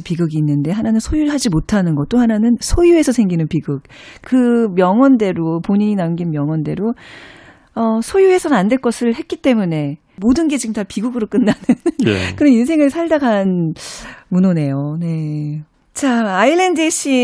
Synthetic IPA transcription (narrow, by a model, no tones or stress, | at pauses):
piɡɯɡiːnːɯnde̞ɦananɯnsʰojuɭhad͡ʑimotʰanɯnɡʌt͈ohananɯnsʰojue̞sʰʌsʰe̞ŋɡinɯnpiɡɯk̚ | kɯmjʌŋwʌnde̞ɾopoɲiɲinamɡinmjʌŋwʌnde̞ɾo | ʌsʰojue̞sʰʌnnandwe̞ɭk͈ʌsʰɯɭhe̞t̚k͈it͈e̞mune̞ | modɯnɡe̞d͡ʑiɡɯmtapiɡuɡɯɾok͈ɯnːanɯnkɯɾʌninsʰe̞ŋɯɭsʰaɭdaɡan | munone̞jone̞ | t͡ɕaailːendeɕʰi